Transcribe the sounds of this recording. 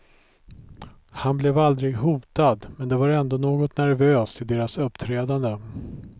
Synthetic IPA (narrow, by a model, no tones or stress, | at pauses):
hanblɛvald̪ɾɪɡɦuːt̪ad̪mɛnd̪ɛvaɾɛnd̪onoːɡɔt̪næɾvøːst̪ʰɪd̪eːɾasɵpːt̪ʰɾɛːd̪and̪ə